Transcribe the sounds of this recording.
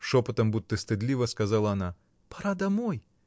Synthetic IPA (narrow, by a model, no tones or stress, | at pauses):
ʂɔpɔt̪ɐmbud̪̚ʲt̪ːɨst̪ɨd̪lʲivɐskazalˠɐana | paɾad̪ɐmɔj